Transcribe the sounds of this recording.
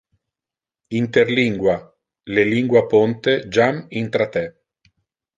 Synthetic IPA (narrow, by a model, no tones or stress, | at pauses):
int̪erliŋɡwa | leliŋɡwapont̪ed͡ʒamint̪ɾat̪ɛ